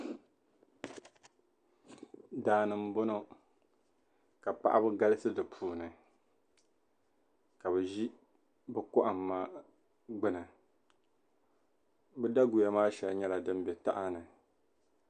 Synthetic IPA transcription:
daː˦nɨ˨m̩˦bo˦no˦ | ka˨pa̰˦ʔa̰˦bɨ˦ɡa˦lɨ˦sɨ˦dɨ˨pʰuː˨nɨ˨ | ka˨βɛ˨ʒi˦ | bɨ˦kʊ˦ʔa˨mː˨aː˦ | ɡ͡bɨ˦nɨ˨ | bɨ˦da˦ɡu˨ja˨maː˦ʃɛ˨lɲɛ˦la˨dɨ˦m˦bɛ˨ta˦ʔa˦nɨ˨

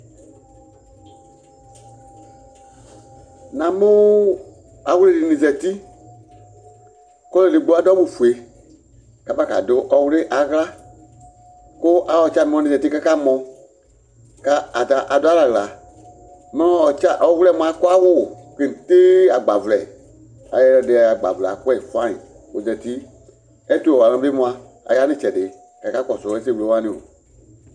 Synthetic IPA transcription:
nã˨˦mũ˦ | a˨wu˦le˦dɨ˨nĩ˨sɛ˨ti˦ | kɔ˦le˧˨lɨ˨ɡ͡bo˧˦a˨˦dɔ˦bu˨fu˨e˨˦ | ka˨pa˦˨ka̰˨do˨˦ʔɔ˧wu˦le˦ʔa˨ɣɨ˦la˦ | ko˦ʔa˧ɔ˨˦t͡ʃa˧˦˨mɔ̃˨˧ɔ̃˧nĩ˨ɛ˨ti˦ka˦ka˦mɔ̃˧ | ka˧˦a˨ta˨˦ʔa˨dɔ˦a˦la˨ɣɨ˧la˨ | mɛ̃˧lɔ̃˧˦ɔ˨t͡ʃa˦˨ʔɔ˧˦wu˦lɛ˦˨˦mũ˦˧ã˦˧˦ku˦a˦wo˦˨kə˧nĩ˨teː˦a˨ɡ͡ba˨vɨ˧lɛ˨ | a˨jɛ˧lɛ˧de˧˦a˧a˨ɡ͡ba̰˨vɨ˨la˨˦ku˦ɛ˦˨i˨fã˦ḭ̃˨ | o˨d͡ʒɛ˨ti˦ | ɛ˦tu˦˨ɔ˨wa˨ɔ̃˧˦be˦mũ˧ã˧ | a̰˨ja˨˦nĩ˦t͡ʃɛ˨deː˨˦ | kɛ˨˦ka˦kɔ˨sɔ˨˧ɛ˧˦s̬e˦˨wu˧lo˨˦wã˦nĩ˨o̰˨

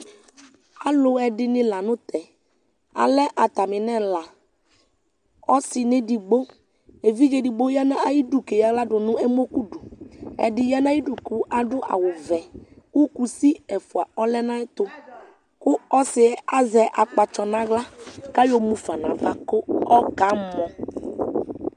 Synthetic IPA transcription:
a˦lʊ˨ɛ˨dɪ˦nɪ̃˦la˨nʊ̃˦t̪ɛ˨ | a̰˨lɛ˦ʔa˨t̪a˨mɪ˨nɛ˦la˨ | ɔ˦sɪ˨nɪ̃˦dɪ˨ɡ͡bo˦ | e˨vi˦ɣe˨di˨ɡ͡bo˦ja˦nã˦a˦˨ji˦du˨ke˨ja˨ɣla˦dʊ˨nʊ̃˦ɛ˦mo˦ku˦du˨ɛ̰˨dɪ˨ja˦nã˦ji˦du˨ku˨˦ʔa˨dʊ˦ʔa̰˨wʊ˨vɛ˨ | ku˦ku˨si˦ɛ˨fʊ˨a˨ɔ˦lɛ˦nã˦ɪ˦t̪ʊ˦ | kʊ˦ɔ˦sɪ˨˦a˦zɛ˨ʔa˨k͡pa˨t͡ʃɔ˨nã˦ɣla˦ka˦jo˨mũ˨fa˨nã˨va˨kʊ˦ɔ˦ka˨˦mɔ˨

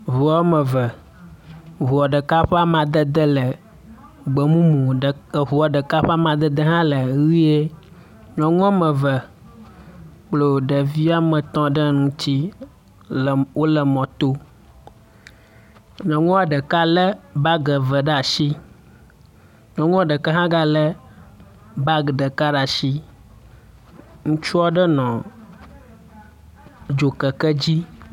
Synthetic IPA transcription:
βu˨a˦mə̃˨və˨ | ɦu˨a˨ɖə˨ka˦ɸɛ˦a˦mã˨d̪ə˦d̪ə˦lə˨ | ɡ͡bə˨mũ˦mũ˨ɦu˨a˨ɖə˨ka˦ɸɛ˦a˦mã˨d̪ə˦d̪ə˦ɦã˦lə˨ɣi˦e˦ | ɲɔ̃˨ŋɔ̃˦mə̃˨və˨ | k͡plo˨ɖə˨vi˦a˦mə̃˨t̪ɔ̃˦ɖə˦nũ˦t͡ɕi˦˨ | wo˦lə˨mɔ̃˨t̪o˦ | ɲɔ̃˨ŋũ˦a˨ɖə˨ka˦lɛ˦ba˦ɡə˨və˨ɖa˨ʃi˦ | ɲɔ̃˨ŋũ˦a˨ɖə˨kə˦ɦã˦ɡa˦lə˦ | ba˦ɡɖə˨ka˦ɖa˨ʃi˦ | ŋũ˦t͡ʃu˦a˦ɖə˦nɔ̃˨ | d͡ʒo˨kə˨kə˦d͡ʑi˦

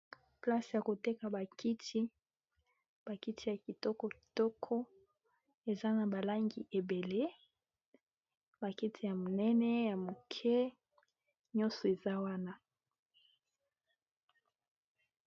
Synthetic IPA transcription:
pla˦sja˨ko˨tɛ˦ka˨ba˨kʰi˦tʰi˦ | b̥a˨ki˦tʰi˨ja˨ki˨tɔ˦kɔ˦ki̥˨tɔ˦kʰɔ˦ | e˨za˦na˨ba˨la˦ŋɡi˨ʔe˨be˨le˦ | ba˨ki˦tʰi˨ja˨mo˨nɛ˦nɛ˦ja˨mo˨kʰɛ˦ | ɲɔ̃˦sɔ˨e˨za˦wa˦na˦

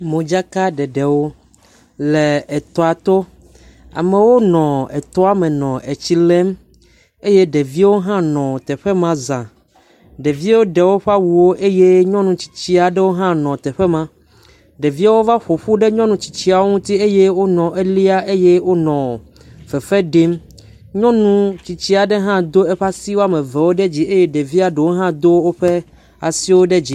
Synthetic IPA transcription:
mõ˨d͡ʒa˦ka˦ɖɛ˨ɖe˨wo˦ | le˨ɛ˨t̪ɔ˦a˨t̪o˦ | a̰˨mẽ˨wo˦nɔ̃˨e˨t̪ɔ˦a˦mɛ̃˨nɔ̃˨ʔe˨t͡ɕi˦lɛ˦m | e˦je˦ɖe˨vi˦wo˦ɦã˦nɔ̃˨t̪ɛ˨ɸe˦mã˦zã˨ | ɖe˨vi˦wo˦ɖe˨wo˦ɸa˦wu˨wo˦ʔe˦je˦ɲɔ̃˦nũ˨t͡ɕi̥˨t͡ɕi˦a˨ɖe˦wo˦ɦã˦nɔ̃˨t̪ɛ˨ɸe˦mã˦ | ɖe˨vi˦a˦wo˦va˦ɸo˨ɸu˦ɖe˦ɲɔ̃˦nũ˨t͡ɕi̥˨t͡ɕi˦a˨wo˦ŋũ˦t̪i˦e˦je˦wo˦nɔ̃˨ʔe˦li˦a˦ʔe˦je˦wo˦nɔ̃˨ | fɛ˨ɸɛ˦ɖi˦m | ɲɔ̃˦nũ˦t͡ɕi˨t͡ɕi˦a˨ɖe˦ɦã˦d̪o˦e˦ɸa˦si˦wo˦a˦mẽ˨vɛ˨wo˦ɖe˦d͡ʑi˦e˦je˦ɖe˨vi˦a˨ɖe˨wo˦ɦã˦d̪o˦wo˦wo˦ɸɛ˦ | a̰˨si˦wo˦ɖe˦d͡ʑi˨

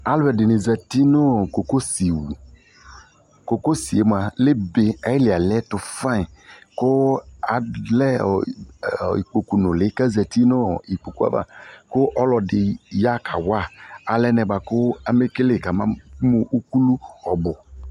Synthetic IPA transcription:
a˦lɛ˨dɪ˨nɪ˨zɛ˨ti˦nʊ˦ko˨ko˦si˨wu˨ | ko˨ko˦si˨e˨˦mo˨a˨le˦be˨ɛ˦lɪ˨a˨lɛ˦tʊ˨fa˦˨kʊ˦a˨lɛ˦˨ | ḭ˨k͡po˨ku˨nʊ˨lɪ˨˦ka˦zɛ˨ti˦no˦i˨k͡po˨ku˦a̰˦va̰˨kʊ˦ʔɔ˦lɔ˨dɪ˨ja˦kʰa˨wa˦˨a˨lɛ˦nɛ˨ba˨kʊ˦a˦me˦ke˦le˦˨ka˨mã˦mu˨ʔu˦ku˦lu˦ɔ˨bʊ˨

